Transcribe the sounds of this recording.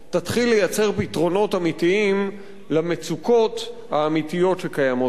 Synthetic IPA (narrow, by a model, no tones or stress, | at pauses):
t̪at̪χilːejat͡se̞ʁpitʁo̞no̞tamitiim | lamet͡suko̞t̪ | haːmit̪ijo̞tʃekajamo